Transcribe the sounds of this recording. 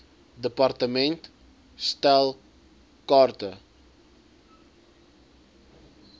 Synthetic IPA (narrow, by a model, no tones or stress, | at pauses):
d̪əpart̪əmẽnt̪ | st̪alˠ | kɔɾt̪ə